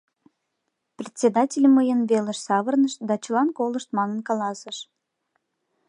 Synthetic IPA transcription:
prʲet̪ʲsʲed̪ɑtʲelʲəməjənβeləʃsɑβərnəʃt̪d̪ɑt͡ɕəlɑnkoləʃt̪mɑnənkɑlɑsəʃ

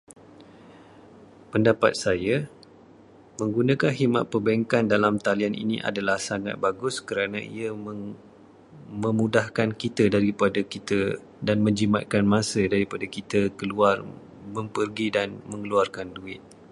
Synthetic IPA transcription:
pəndapa̰t̪̚saja | mə̃ŋɡunãkanɦima̰ʔ̪̚pərbaiŋkandalamt̪alianʔḭniʔa̰dalahsaŋa̰t̪̚baɡʊskəɾanãḭə | mə̃mudahkankit̪ədaɾipadakit̪ə | danmə̃ɲd͡ʒima̰t̪̚kanmãsədaɾipadakit̪əkəluar | mə̃mpərɡidanmə̃ŋəluarkanduɪt̪̚

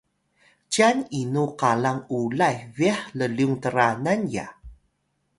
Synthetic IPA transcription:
t͡ɕaninuqalaŋulajviaħləliuŋtəɾananja̰

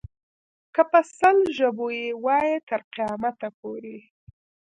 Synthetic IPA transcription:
kəpəsəlʒəbojewɑjet̪əɾqijɑmat̪apoɾi

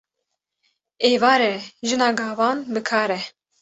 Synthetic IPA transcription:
eːvɑːɾɛʒɨnɑːɡɑːvɑːnbɨkʰɑːɾɛ

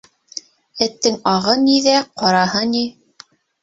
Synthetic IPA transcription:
ɘ̆t̪ːɘŋɑʁɤniðæqɑɾɑhɤni

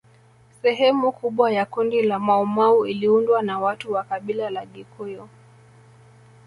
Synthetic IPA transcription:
sɛɦɛmukuɓwajakundilamaumauiliundwanawatuwakaɓilalaɠikʰɔjɔ

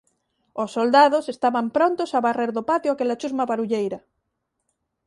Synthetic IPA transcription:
osːold̪aðosest̪aβampɾont̪osaβareɾðopat̪joakelat͡ʃuzmaβaɾuʎejɾɐ

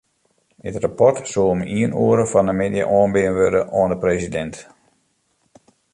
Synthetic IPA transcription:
dɪtrapɔrtsuəomiənuəɾəfɔnəmedjə̰ʔɔːnbɪənʋødəʔoəndəpresidɛnt

